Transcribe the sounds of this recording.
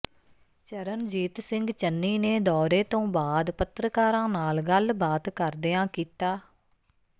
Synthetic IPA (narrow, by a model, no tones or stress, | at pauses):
t͡ʃəɾənd͡ʒiːt̪sɪŋɡt͡ʃənːiːneːd̪ɔːɾeːt̪õːbaːd̪pət̪ɾəkaːɾãːnaːlɡəlbaːt̪kəɾd̪eãːkiːt̪aː